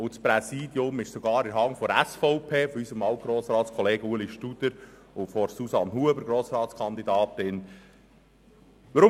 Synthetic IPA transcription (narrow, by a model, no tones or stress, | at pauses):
ʊt͡spɾɛsiːd̥̪jʊmɪʃsɔɡɑːɾɪɾɦɑŋfɔɾæsfɔʊpʰeːfɔysəmɑwt̪̚ɡ̥ɾoːsɾɑːtt͡skʰɔleːɡəuəliʃtud̥̪əɾ | ʊfɔɾsusɑnɦuəbəɾɡɾoːsɾɑːtt͡skʰɑnd̪id̪ɑːt̪ːɪn | ʋəɾʊ